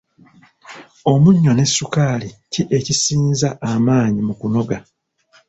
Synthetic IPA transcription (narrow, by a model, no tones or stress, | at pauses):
o̞muɲːo̞ne̞sːukaːliciʔe̞cisiːnzaʔːmaːɲimukuno̞ɡa